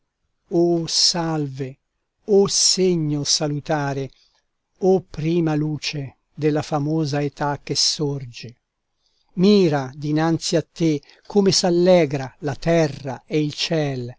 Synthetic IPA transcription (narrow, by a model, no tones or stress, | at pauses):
osalve | oseɲːosalut̪aːɾe | opːɾiːmaluːt͡ʃe | d̪elːafamoːzaet̪akːesord͡ʒe | miːɾad̪inant̪siat̪ːe | kʰːomesalːɛːɡɾalat̪ɛraeilt͡ʃɛl